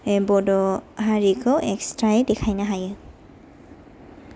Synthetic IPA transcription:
ɛbɔdɔɦaɹikʰɔʔɛkstɹaɛdɛkʰajnaɦajɯ

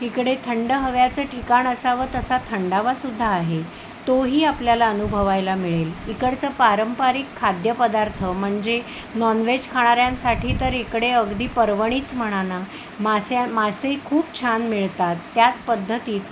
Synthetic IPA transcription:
ɦikɽet̪ʰəɳɖəɦəʋjat͡səːʈʰikaɳəsaʋəːt̪əsat̪ʰəɳɖaʋasud̪ʱːaːɦe | t̪oɦiːapljalaənubʱəʋajlamiɭelikəɽt͡səːpaɾəmpaɾikʰːad̪jəpəd̪aɾt̪ʰəm̤əɳd͡ze | nɔnʋed͡ʑkʰaɽ̃aɾjãnsaʈʰiːt̪əɾekɽeəɡd̪iːpəɾʋəɽ̃iːt͡sm̤əɽ̃ana | masamad͡zsəikʰuːpt͡ɕʰanmiɭt̪at̪ːjat͡spəd̪ʱːət̪iːt̪

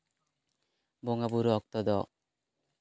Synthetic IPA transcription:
bɔŋabuɾɔɔk̚t̪ɔd̪ɔ

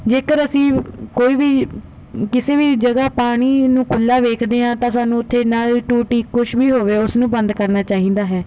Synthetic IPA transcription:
d͡ʒeːkəɾəsĩːkoːiːʋiː | kɪseːʋiːd͡ʒəɡaːpaːɽ̃iːnũːkʊlːaːʋeːkʰd̪eːãːt̪ãːsaːnũːʊt̪ʰːeːnaːlʈuːʈiːkʊʃʰʋiːɦoːʋeːʊsnũːbə̃nd̪kəɾnaːt͡ʃaːɦĩːnd̪aːɦɛː

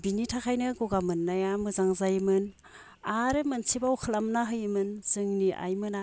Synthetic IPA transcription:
binitʰakʰajnɯɡoɡamɯnːajamɯzaŋzajmɯn | aɾɯmɯnsʰibawkʰɯlamnaɦɯjmɯnz̥ɯŋniʔa̰jmɯna

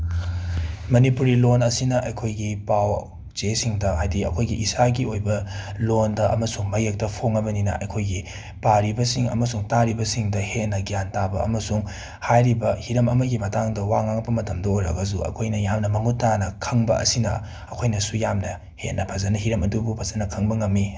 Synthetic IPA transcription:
mɐnipuɾilonɐsinɐʔɐjkʰojɡipaw | zesiŋdɐɦajdiɐ̰kʰojɡiʔisaɡiojbɐlondɐʔɐmɐsuŋmɐjek̚tɐpʰoŋɐbɐninɐ̰ʔɐ̰jkʰojɡi | paɾibɐsiŋɐ̰mɐsuŋtaɾibɐsiŋdɐhenːɐɡijantabɐɐ̰mɐsuŋ | hajɾibɐhiɾɐmɐmɐɡimɐtaŋdɐwaŋaŋpːɐmɐtʰɐmdɐojɾɐ̰ɡɐs̬uɐ̰kʰojnɐjamnɐmɐŋutanɐkʰɐŋbɐ̰ɐ̰sinɐ̰ | ɐkʰojnɐsujamnɐ | hḛʔnɐpʰɐzɐnɐɦiɾɐmɐdubupʰɐzɐnɐkʰɐŋbɐŋɐmːi

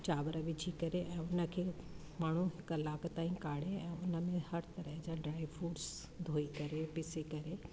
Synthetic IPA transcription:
t͡ɕaːʋəɾəʋɪt͡ʃʰikɐɾeʔɛ̃ːʊnəkʰeː | maːɳ̤uɦɪklaːkʰt̪aːĩkaːɽ̤eɛ̃ːʊnə̆mẽhɐɾt̪ɐɾəɦd͡ʑaɖɾaːɪiʋfuːʈs | d̪ʱoːikɐɾepɪsekɐɾe

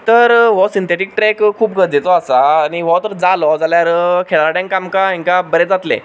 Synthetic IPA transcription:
t̪əɾʋɔsint̪ʰeʈik̚ʈɾekkʰːuːp̚ɡʱəɾd͡z̪et͡sɔasaːñiʋɔt̪əɾd͡zalɔd͡zaljaɾəkʰeɭaɾaɽjãŋkamkaɦĩŋkabəɾed͡zat̪lḛ̃

